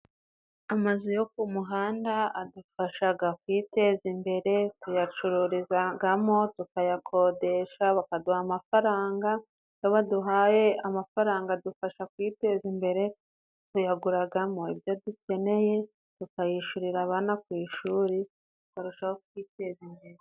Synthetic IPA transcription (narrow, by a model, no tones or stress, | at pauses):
amazujo̞kumuɦaːndaadufaʃaɡakwiːte̞ːzimbe̞ɾe̞tujat͡ʃuɾuɾizaɡamo̞tukajakʰo̞de̞ʃaβakaduhamafaɾaːŋɡa | joβaduɦaje̞amafaɾaːŋɡadufaʃakwiːte̞zimbe̞ɾe̞ | tujaɡuɾaɡamo̞ibjo̞duce̞ne̞je̞ | tukajiʃuɾiɾaβanakwiːʃuːɾi | tu̥kaɾuʃahok̚wiːte̞zimbe̞ɾe